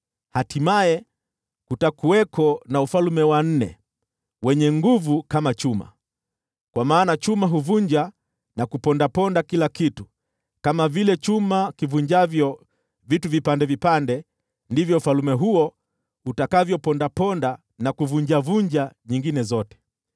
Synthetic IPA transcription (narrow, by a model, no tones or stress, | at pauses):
hatimaɛ | kutakuwɛkʰɔnaufalumɛwan̩nɛ̰ | wɛɲɛŋɡuvukamat͡ʃuma̰ | kwamaːnat͡ʃumaɦuvuɲd͡ʒa | nakupɔndapɔndakilakitu | kamavilɛt͡ʃumakivuɲd͡ʒavjɔ | vituvipandɛvipandɛ | ndivjɔufalumɛɦuɔ | hutakavjɔpɔndapɔnda | nakuvuɲd͡ʒavuɲd͡ʒaɲiŋɡinɛzɔtɛ̥